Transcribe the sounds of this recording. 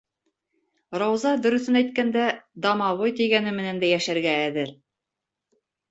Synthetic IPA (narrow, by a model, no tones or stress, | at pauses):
ɾɑwzɑd̪ɵ̆ɾɵ̆θɵnæjt̪̚kænd̪æd̪ɑmɑβojt̪iɡænɘmɘ̆nænd̪æjæʃæɾɡæːðɘɾ